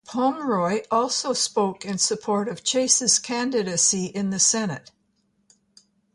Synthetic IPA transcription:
pʰɑ̃mɹɔɪʔɔlˠsoʊspoʊkɨ̃nsɨpʰɔɹɾʌv̥t͡ʃʰeɪsɨz̥kʰæ̃ndɨɾɨsiʔɪ̃nðɨsɛnɨ̰t̚

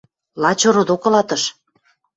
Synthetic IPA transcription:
lɑt͡ɕoɾod̪okɤ̆lɑt̪ɤʃ

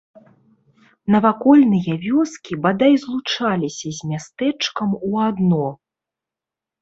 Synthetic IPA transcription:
nɐvakɔlʲnɨjɐvʲɔskʲibad̪ajzlˠut͡ʂalʲisʲɐzʲmʲast̪ɛt͡ʂkɐmuad̪nɔ

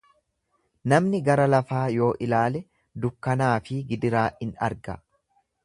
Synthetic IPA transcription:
nɐmnɪɡɐɾɐlɐfaːjo̞ːʔɪlaːlɛ | d̪ʊkːɐnaːfɪɡɪd̪ɪɾaːʔɪnɐ̰ɾɡɐ

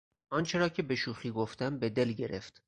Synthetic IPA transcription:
ʔɒnt͡ʃʰe̞ɾɒːcʰebe̞ʃuːxiːɡoft̪æmbe̞d̪e̞lɟe̞ɾe̞ft̪

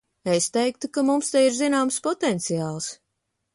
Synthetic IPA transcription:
est̪ɛjk̚t̪ukamumst̪ɛjiɾzinaːmspɔt̪ɛnt̪sijaːlˠs

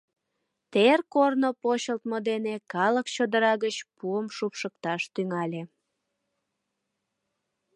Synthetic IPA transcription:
t̪erkornopoɕəlt̪mod̪enekɑləkt͡ɕod̪əɾɑɣət͡ɕpuəmʃupʃəkt̪ɑʃt̪yŋɑlʲe

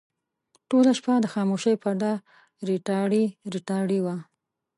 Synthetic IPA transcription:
ʈolaʃpad̪əxɑmoʃəjpaɾd̪a | ɾiʈɑɽiɾiʈɑɽiwa

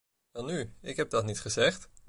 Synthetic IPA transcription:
ɛlˠnyɪkɦɛb̚dɑtnitχəzɛχt

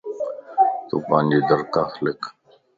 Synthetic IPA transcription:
t̪ṵpaːnd͡ʒiːd̪əɾkaːxlɪk

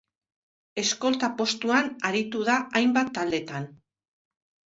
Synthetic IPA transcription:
e̞sko̞lt̪apo̞st̪uanaɾit̪uð̞aʔajmbat̪ːald̪e̞t̪an

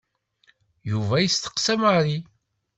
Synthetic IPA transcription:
juvæjəst̪ə̥qsæmaɾi

